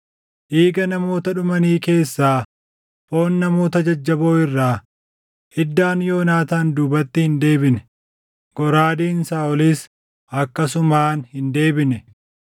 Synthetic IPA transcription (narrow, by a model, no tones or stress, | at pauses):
ʔiːɡɐnɐmo̞ːt̪ɐᶑʊmɐniːke̞ːsːaː | fo̞ːnːɐmo̞ːt̪ɐd͡ʒɐd͡ʒːɐbo̞ːɪrːaː | hɪd̪ːaːnjo̞ːnaːt̪aːnd̪uːbɐt̪ːɪhɪnd̪e̞ːbɪnɛ̥ | ɡ̥ɔɾaːd̪iːnsaːɔliːs | ʔɐkːɐsʊmaːnhɪnd̪e̞ːbɪnɛ